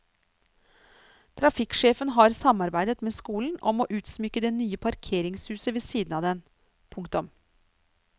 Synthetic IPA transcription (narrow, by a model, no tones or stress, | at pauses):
t̪ʰɾɑfɪkʂeːfənɦɑɾsɑmɑɾbæɪd̪ət̪meːskuːln̩ʔɔ̰moːʔʉːt̪smʏkːəd̪eːnyːəpʰɑɾkʰeːɾɪŋshʉːsəʋesiːd̪n̩ɑːd̪ɛn | pʰʊŋkt̪ɔm